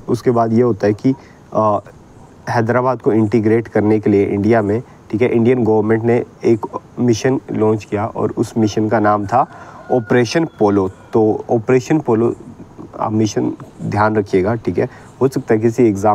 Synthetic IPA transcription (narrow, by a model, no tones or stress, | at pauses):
ʊskebaːd̪jeɦoːt̪aɦɛki | ɦɛːd̪ɾaːbaːd̪̚koɪ̃ɳʈɪɡɾeːʈkɐɾnekelieʔɪ̰̃ɳɖijamẽ | ʈʰiːkɦɛʔɪ̃ɳɖijənɡɐʋəɾmẽːɳʈneeːkmɪʃənlɔ̃ːnt͡ʃkijaʔɔ̰ːɾʊsmɪʃənkanaːmt̪ʰaɔːpɾeːʃənpoːlot̪oːɔːpɾeːʃənpoːlo̰ː | mɪʃənd̪ʱjaːnɾɐkʰijeːɡaːʈʰiːkɦɛː | ɦoːsɐk̚t̪aɦɛkɪsieɡzaː